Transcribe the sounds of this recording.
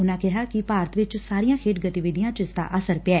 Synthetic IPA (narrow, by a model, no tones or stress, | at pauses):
ʊnãːkɪɦaːkɪpaːɾət̪ʋɪt͡ʃsaːɾijãːkʰeːʈɡət̪iʋɪd̪ɪjãːt͡ʃɪsd̪a̰ːʔəsəɾpɪɛː